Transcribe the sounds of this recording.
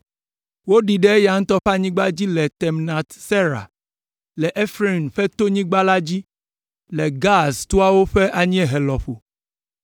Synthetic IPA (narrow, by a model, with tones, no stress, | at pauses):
wo˦ɖi˨ɖe˦e˦ja˨ŋ̩˦t̪ɔ˦ɸa˦ɲĩ˦ɡ͡ba˦d͡ʑi˦lɛ˨t̪ɛ˨mna˨t̪sɛ˦ɾa̰˨ | lɛ˨ʔe˦fɾi˦˨nɸɛ˦t̪o˦ɲĩ˦ɡ͡ba˦la˦d͡ʑi˦ | lɛ˨ɡa˦st̪u˦a˦wo˦ɸe˦ʔa˨ɲĩ˦ɛ˦˨ɦɛ˨lɔ˨ɸo˨